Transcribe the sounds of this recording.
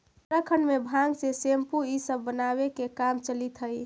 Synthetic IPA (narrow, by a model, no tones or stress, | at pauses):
ɾəkʰənmebʱãŋɡsesempuisəbːənabekekamt͡ʃəlit̪ɦəj